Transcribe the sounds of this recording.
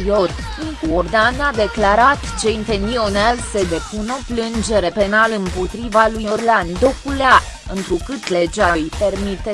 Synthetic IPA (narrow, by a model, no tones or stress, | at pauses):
jo̞r | iŋkuord̪anad̪e̞klaɾat̪t͡ʃent̪enionelse̞d̪e̞puno̞plɨnd͡ʒe̞ɾe̞pe̞nalɨmpo̞t̪ɾivalujorland̪o̞kulea | ɨnt̪ɾukɨt̪le̞d͡ʒajpe̞rmit̪e